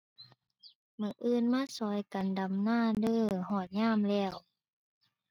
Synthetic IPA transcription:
mɯː˧˩ʔɯː˧˨nmaː˧˥˨sɔː˧˦jka˨nda˨˦mnaː˧˥˨dɤː˧˩˨hɔː˧˩t̪̚ɲaː˧˥˨mlɛː˧˩w

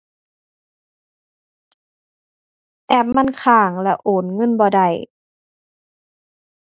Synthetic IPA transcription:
ʔɛ˧˩p̚ma˧˥˨nkʰaː˧˩ŋlɛ˧˩ʔoː˨˦nŋɤ˧˥˨nbɔː˧da˧˩j

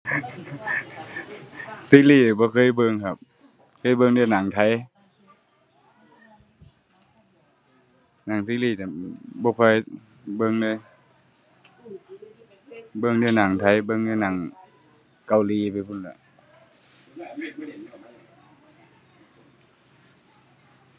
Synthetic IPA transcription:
siː˧˦˨liː˧˩˨bɔː˧˦kʰɤː˧˥˨jbɤ˧ŋkʰa˧p̚ | kʰɤː˧˥˨jbɤ˧ŋdɯ˧˨jna˨˦ŋt̪ʰa˧˥˨j | naː˨˩ŋsiː˧˥˦liː˧˩˨tbɔː˧˦kʰɔː˧˩˨j | bɤ˧˨ŋdɯ˧˥j | bɤ˧ŋdɯ˧˨naː˨˩˦ŋt̪ʰa˧˩jbɤ˧˨ŋdɯ˧˨na˨˦ŋ | ka˧˩wliː˧˦pnkʰu˧˨nla˧˦

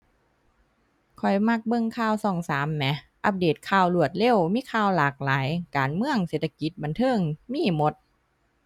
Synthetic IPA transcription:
kʰɔ˨˩jma˧˥˩k̚bɤ˧˨ŋkʰaː˧˩wsɔː˧˩ŋsaː˩˦mːɛ˧˦ | ʔa˧˥p̬̚deː˨˩t̪̚kʰaː˧˩wlu˧˩ət̪̚le˧˩˨wmiː˧˥˨kʰaː˧˩wlaː˨˩k̚laː˨˩˦jkaː˨˦nmɯ˧˨əŋseː˨˩t̪ʰa˧ki˧˦t̪̚ba˨nt̪ʰɤː˧˥˨ŋmiː˧˥˨mo˧˦t̪̚

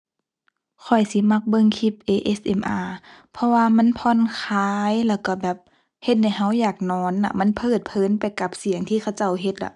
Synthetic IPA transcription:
kʰɔ˨˩jsi˧˦ma˧˥k̚bɤ˧˨ŋkʰi˧˩p̚ʔeː˧ʔe˧˥sʔe˧˨mʔaː˧˩pʰɔ˧waː˧ma˧˥˨npʰɔː˧˥˨nkʰaː˧jlɛː˧˩wka˧˩bɛː˨˩p̚ | he˧˦t̪̚ha˧˩jɦa˧˥˩wjaː˨˩k̚nɔː˧˥nːa̰˧ma˧˥˨npʰɤː˧˩t̪̚pʰɤː˧˥˨npa˨jka˧˦p̚si˨˦ŋt̪ʰiː˧kʰa˧˩wt͡ɕa˧˩˨wɦe˧˦t̪̚la̰˧˦

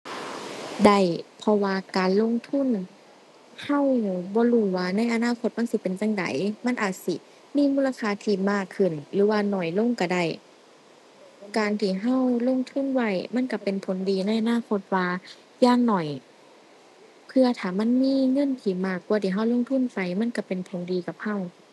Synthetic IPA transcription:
da˧˩jpʰɔ˧waː˧kaː˨nlo˧˨ŋt̪ʰu˧˥˨n | ha˧˥˩wbɔː˧˦duː˧˩waː˧na˧˥˨jʔa˨˧˨naː˧˥˨kʰo˧t̪̚ma˧˥˨nsi˧˦pe˨nt͡ɕa˧˥ŋda̰˨˦jma˧˥˨nʔaː˨˩t̪̚si˧˦ | miː˧˥˨muː˧˥˨la˧kʰaː˧˩t̪ʰiː˧˩maː˧˩kʰːɯ˧˩nlɯː˨˦waː˧nɔ˨˩jlo˧˥˨ŋka˧˩da˧˩j | kaː˨nt̪ʰiː˧˩ɦa˧˥˨wlo˧˥˨ŋt̪ʰu˧˥˨nwa˧˩˨jma˧˥˨nka˧˩pe˨npʰo˨˦ndiː˨˧na˧˥˨jʔa˧naː˧˥˨kʰo˧˦t̪̚waː˧ | jaː˧˩˨ŋnɔ˨˩j | pʰɯ˧ɐt̪ʰaː˨˩ma˧˥˨nmiː˧˥˨ŋɤ˧˥˨nt̪ʰiː˧˩maː˧˩kːu˧˨t̪ʰiː˧˩˨ɦa˧˥˩wlo˧˨ŋt̪ʰu˧˥˨nfa˧˩jma˧˥˨nka˧˩pe˨npʰo˨˦ndiː˧˦ka˧˦p̚ha˧˥˩w

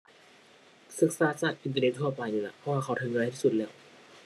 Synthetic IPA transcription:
sɯ˨˩k̚saː˧˦t͡ɕaː˨˩k̚ʔi˧nt̪a˧ne˧˥t̪̚tʰɔː˥˩pa˧jniː˧˩la̰˧˩pʰɔ˦˥waː˧˩kʰa˧˩wt̪ʰɯː˧ŋː˧jt̪ʰiː˥˩su˨˩lɛː˦˥˩w

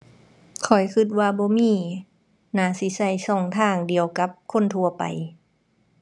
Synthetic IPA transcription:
kʰɔ˨˩jkʰɯ˧˦t̪̚waː˧bɔː˧˦miː˧˥˨ | naː˨˦si˧˦sa˧˩jsɔː˧˩ŋt̪ʰaː˧˩ŋdi˨əwka˧˦p̚kʰo˧˥˨nt̪ʰu˧ɐpa̰˨j

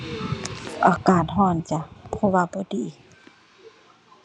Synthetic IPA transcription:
ʔaː˨˩kaː˨˩n̚ɦɔː˧˩˨nt͡ɕa˨˧˦pʰɔ˧waː˧bɔː˨˦diː˨˦

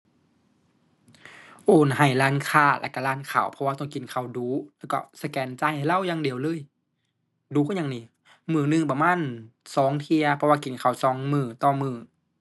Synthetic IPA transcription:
ʔoː˨˩nɦa˨˩jlaː˧˥˨nkʰaː˧˩la̰˧˩kːa˧˩laː˧˥˨nkʰa˨˩wpʰɔ˧waː˧t̪ɔ˧˨ŋki˨˩nkʰa˨˩wduː˨˦lɛː˧˩kɔ̰˧˩sa˧kɛː˨˦nt͡ɕaː˧˨jha˨˩jla˧˥˨wjaː˧˨ŋdi˨˩əwlɤː˧˥˨j | duː˨˦kɔ˧˥˨ɲa˧ŋniː˧˩ | mɯː˧˩nɯ˧˨ŋp̬a˧maː˧˥˨nsɔː˨˦ŋt̪ʰi˧ɐpʰɔ˧waː˧ki˨˩nkʰa˨˩wsɔː˨˦ŋmɯː˧˩t̪ɔː˧˩mɯː˧˩

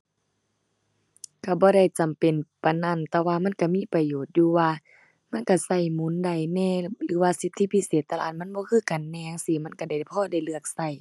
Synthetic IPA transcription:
ka˧˩bɔː˧˦ɾa˧˩jt͡ɕa˨mpe˨npa˨na˧˨nt̪ɛː˧waː˧ma˧˥˨nka˧˩miː˧˥˨pa˨˧˨joː˨˩t̪̚juː˧˦waː˧ | ma˧˥˨nka˧˩sa˧˩jmu˧˦˨nda˧˩jnɛː˧˨lɯː˨˦waː˧si˧˦t̪ʰːi˧˨pʰi˧˨seː˨˦t̪ːa˧la̰˧˨˧n̚ma˧˥˨nbɔː˧˦kʰɯː˧˥˨ka˨nːɛː˧˨ŋsiː˧˦ma˧˥˨nka˧˩da˨˩pʰɔː˧˥˨da˧˩jlɯ˧˩ək̚sa˧˩˨j

